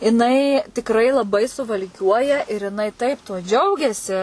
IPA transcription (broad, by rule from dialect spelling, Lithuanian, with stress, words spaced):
jɪˈnɐɪ tʲɪkˈrɐɪ lˠɐˈbɐɪ sʊʋɐlʲˈkʲuɔjɛ ɪr jɪˈnɐɪ ˈtɐɪp tuɔ ˈd͡ʒʲɛʊɡʲɛsʲɪ